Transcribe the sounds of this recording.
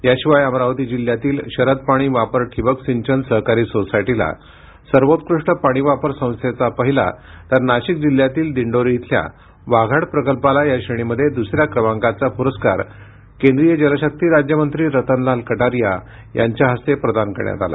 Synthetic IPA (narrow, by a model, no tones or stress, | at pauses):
jaɕiʋajəmɾaʋt̪iːd͡ʑil̤jat̪iːlɕəɾəd̪̚paɽ̃iːʋapəɾʈʰiʋəksiɲt͡ɕənsəɦkaɾiːsosajʈila̰ | səɾʋot̪̚kɾuʂʈəpaɽ̃iʋapəɾsə̃w̃st̪ʰet͡sapəɦila̰t̪əɾnaɕik̚d͡ʑiljat̪iːld̪iɳɖoɾiɦit̪ʰlja̰ | ʋaɡʱaɽpɾəkəlpalajaɕeɽ̃iməd̪ʱːjed̪usɾjakɾəʋãŋkat͡sapuɾəska̰ɾ | kẽnd̪ɾijəd͡ʑəlaɕək̚t̪iːɾad͡ʑjəmənt̪ɾiːɾət̪ənlalkəʈaɾija | jʔa̰ɲt͡ɕjaɦəst̪epɾəd̪ankəɾɳja̰t̪a̰la̰